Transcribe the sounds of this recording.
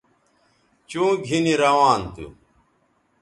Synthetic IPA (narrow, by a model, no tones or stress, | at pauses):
t͡ɕũːɡʱiniɾɐwaːnt̪ṵ